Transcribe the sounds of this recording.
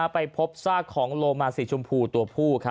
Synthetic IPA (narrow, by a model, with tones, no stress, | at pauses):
pa˧jpʰo˦˥p̚saː˥˩kʰːɔː˩˦ŋloː˧maː˧si˨˩t͡ɕʰu˧mpʰuː˧t̪u˧ɐpʰuː˥˩kʰa˦